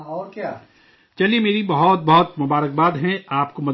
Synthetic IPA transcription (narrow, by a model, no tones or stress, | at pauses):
ka | t͡ʃɐliemeːɾibɐɦɔt̪̚bɐɦɔt̪mʊbaːɾək̚baːd̪ɦɛ̃aːp̚komɐd̪